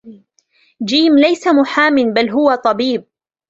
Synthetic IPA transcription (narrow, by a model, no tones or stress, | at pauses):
d͡ʒiːmlajsamʊħaːmɪnbalɦʊwat̪ˤɑbiːb̚